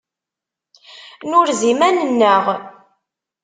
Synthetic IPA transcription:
nʊɾzimænənːəʁ

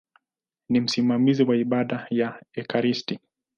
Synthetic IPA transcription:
nim̩simamiziwaiɓaɗajaɛkaɾisti

